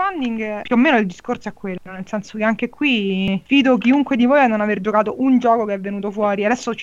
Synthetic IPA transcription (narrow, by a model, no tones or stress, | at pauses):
fand̪iŋɡpjuomːeːnoild̪iskorsoɛkːwelːonelsɛnsokeaŋkekːwiviːd̪ok̬iuŋkwed̪ivojanːonaverd͡ʒokaːt̪oʔund͡ʒɔːkokeɛvːenuːt̪ofwɔːɾiad̪ɛsːot͡ʃ